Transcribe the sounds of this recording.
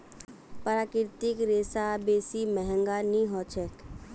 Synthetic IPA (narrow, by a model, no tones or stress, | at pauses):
pəɾaːkɪɾt̪ɪkɾeːsabeːsimɛɦɛ̃ŋɡaniɦɔt͡ʃʰɛk